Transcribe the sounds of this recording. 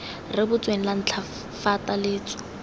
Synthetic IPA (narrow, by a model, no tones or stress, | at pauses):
rɪbʊt͡sʼweŋ̩lan̩t͡ɬʰa | fatʼalɪːt͡sʼwɪ̥